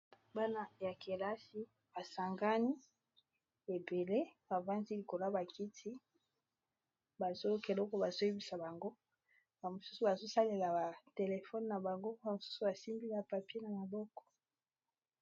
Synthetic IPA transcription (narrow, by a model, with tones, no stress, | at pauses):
ba˦na˦ja˨ke˨la˦si˦ | ba˨sa˨ŋɡa˦ni˦ | e˨be˨le˦ba˨va˦nzi˦li˨ko˨la˦ba˨ki˦tʰi˦ | ba˨zo˦ke˨lɔ˦kɔ˦ba˨zo˦e˦bi˨sa˨ba˨ŋɡo˦ | ba˨mo˨su˦su˦˨ba˨zo˦sa˦le˨la˨ba˨te˨le˨fɔ˦n˨na˨ba˨ŋɡo˦a˨mo˨su̥˦su˦ba˨si˦mbi˦la˨pa˨pi˦e˦na˨ma˨bɔ˦kɔ̥˨